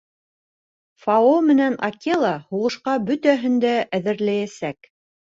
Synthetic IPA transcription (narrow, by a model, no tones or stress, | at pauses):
fɑomɘ̆nænɑ̰kʲelˠɑhuʁɤ̆ʃqɑbɵt̪æɦɘ̆nd̪æʔæðɘ̆ɾlæjæsæk